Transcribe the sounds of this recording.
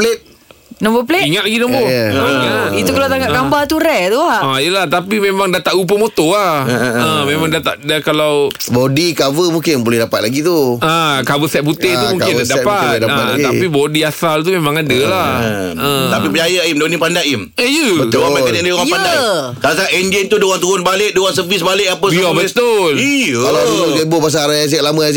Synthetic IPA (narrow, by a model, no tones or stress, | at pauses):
pəlet̪̚ | nɔmbopleiŋat̪̚laɡinɔ̃mbo | ait̪ukalawt̪aŋaʔɡambat̪uɾɛʔt̪uajəlaht̪apimemaŋdat̪aʔup̬əmot̪oahəmemãŋdat̪aʔdakalawbodikavəmuŋkɪnbolɛhdapat̪̚laɡit̪uakabəsɛt̪̚put̪ɪh̪umuŋkkɪndapat̪daaapibodiasalt̪̬umemãŋadəlaət̪apipət͡ʃajaimdonĩpandaʔiməjəəoamkanadaoãpandakaasaʔɛnd͡ʒɛnt̪udowaŋt̪uʊnbalɪʔ̚dowaŋs̬əvisbalɪʔapəsbiɔbəst̪olialaaɡabopas̬aɾajas̬ɛʔ̚lamãas̬